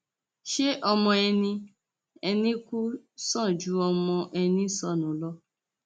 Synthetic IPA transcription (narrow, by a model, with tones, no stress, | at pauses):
ʃe˦ʔɔ˧mɔ̃˧ɛ˧nĩ˧ | ɛ˧nĩ˦ku˦sɔ̃˦˨d͡ʒu˨˦ɔ˧mɔ̃˧ʔɛ˧nĩ˦sɔ˦˨nũ˨˦lɔ˦